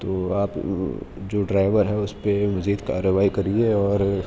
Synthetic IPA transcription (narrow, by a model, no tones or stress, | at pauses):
t̪oːaːp | d͡ʒoːɖɾaːɪʋəɾɦɛʊspemɐziːd̪ka̰ːɾəʋaːikɐɾieɔːɾ